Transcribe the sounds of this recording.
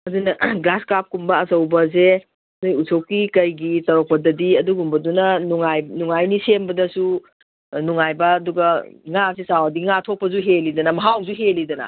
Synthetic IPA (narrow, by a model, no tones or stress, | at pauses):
mɐzinɐɡlaskap̚kumbɐːsɐwbɐze | nojusʰowkikɐjɡitɐɾok̚pɐdɐdiɐduɡumbɐdunɐnuŋajnuŋajnisembɐdɐsu | nuŋajbɐːduɡɐŋasisawɐdiŋatʰok̚pːɐzuɦelidɐnɐmɐɦawzuɦelidɐnɐ̰